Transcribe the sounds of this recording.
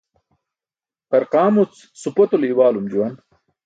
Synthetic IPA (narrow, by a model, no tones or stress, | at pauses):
qɐɾqaːmut͡s | supɐt̪oliwaːlumd͡ʑuwan